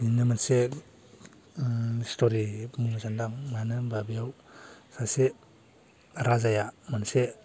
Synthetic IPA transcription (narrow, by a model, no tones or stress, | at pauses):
ninɯmanse | istʰoɾimumazandaŋmanɯbabijawsase | ɾazajamanse